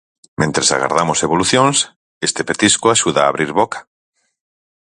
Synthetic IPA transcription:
mẽnt̪ɾesa̰ɣa̰ɾðamoseβoluθjoŋs | est̪epet̪iskoaʃuðaːβɾiɾβokḁ

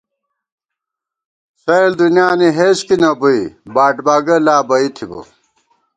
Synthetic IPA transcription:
sɐild̪unjaːniɦeːɕkinɐbuibaːʈbaːɡɐlaːbɐit̪ʰibo̰

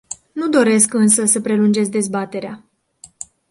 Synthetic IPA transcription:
nud̪o̞ɾe̞skɨns̬əsəpɾe̞lund͡ʒe̞t̪sʲd̪e̞zbat̪e̞ɾea

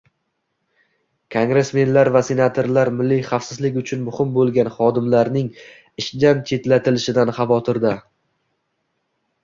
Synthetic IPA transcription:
kʰoŋɡɾe̞sme̞nlaɾvase̞nat̪ʰoɾlaɾmɪlːɪjχafsɪzlɪkʲʊt͡ʃʰʊnmʊhɪmbolˠɡʲanχɒd̪ɪmlaɾnɪŋ | ɪʃd̪ant͡ʃʰe̞t̪lat̪ʰɪlɪʃɪd̪anχɑvɒt̪ʰɪɾd̪a

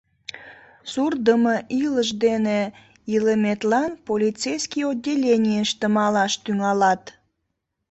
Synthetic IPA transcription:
surd̪əməʔiləʃd̪ene | iləmet̪lɑnpolʲit͡sejskijodʲːelʲenʲijəʃt̪əmɑlɑʃt̪yŋɑlɑt̪

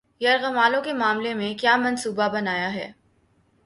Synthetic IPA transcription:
jɐɾɣɐmaːlõkemaːmlemẽkjaːmɐ̃nsuːbabɐnaːjaɦɛː

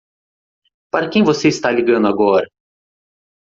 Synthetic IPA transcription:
paɾɐkẽj̃voseɪst̪aliɡɐ̃nd̪ʊaɡɔɾɐ

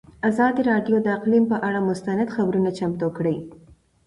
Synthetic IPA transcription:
azɑd̪iɾɑɖjod̪əɪqlimpəʔaɽamʊst̪anad̪xabɾunat͡ʃamt̪okɽəj

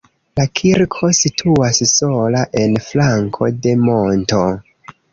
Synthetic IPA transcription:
lakʰiɾkʰo̞sitʰuasso̞laʔe̞nflaŋkʰo̞̰de̞mo̞nto̞

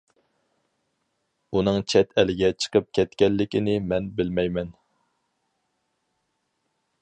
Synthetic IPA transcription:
unɨŋt͡ʃʰɛt̪ʰɛlɪɡʲɛt͡ʃʰə̥qʰəp̚kʲʰɛt̪kʲɛlːɪkʲɪnɪmɛnbɪlmɛjmɛn

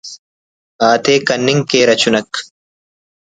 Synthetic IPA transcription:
ʔaːt̪eːkɐnːɪŋke̞ːɾɐt͡ʃʊnɐkː

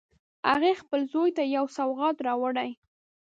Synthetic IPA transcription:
ha̰ɣexpəlzojt̪ajawsawɣɑt̪ɾɑwaɽaj

